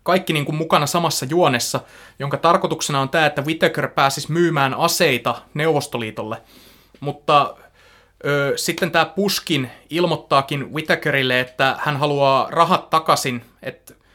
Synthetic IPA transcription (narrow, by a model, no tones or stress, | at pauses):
kɑikːiniːŋkummukɑnɑsɑmɑsːɑjuonesːɑjoŋkɑt̪ɑrkot̪uksenɑont̪æːet̪ːæwit̪ekørpæːsismyːmæːnɑseit̪ɑneuʋost̪oliːt̪olːe | mut̪ːɑ | øːsit̪ːent̪æːpuskinilmot̪ːɑːkinwit̪ekøɾilːeet̪ːæhænɦɑluɑːrɑɦɑt̪ːɑkɑsinḛt̪